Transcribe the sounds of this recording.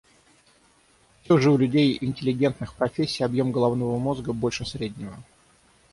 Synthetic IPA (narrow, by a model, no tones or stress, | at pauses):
fsʲoʐɨʊlʲʉdʲejɪnʲtʲɪlʲɪɡʲe̞nt̪nɨxpɾɐfʲesʲːɪjɐbjo̞mɡəlˠɐvnovəmo̞zɡəbo̞lʲʂɨsɾʲedʲnʲɪvə